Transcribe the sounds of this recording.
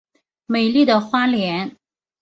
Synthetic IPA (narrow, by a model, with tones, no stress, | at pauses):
me˨˩ɪli˥˩d̪ə˩xwa˥ljɛ˧˥n